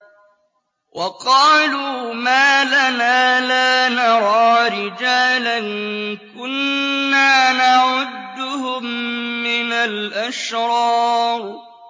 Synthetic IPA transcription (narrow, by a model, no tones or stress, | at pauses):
wʔɑqɑːluːmaːlanaːlaːnɑɾˤɑːɾɪd͡ʒaːlankʊnːaːnaʕʊd̪ːʊhʊmːɪnalʔaʃɾɑːɾ